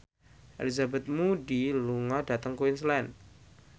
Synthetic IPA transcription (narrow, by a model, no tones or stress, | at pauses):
ʔɛ̰lizabɛt̪̚mudiluŋɔda̤t̪əŋkuɪnslɛn